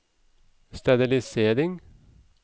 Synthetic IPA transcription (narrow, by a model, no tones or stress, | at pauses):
st̪ɑbɪlɪseːɾɪŋ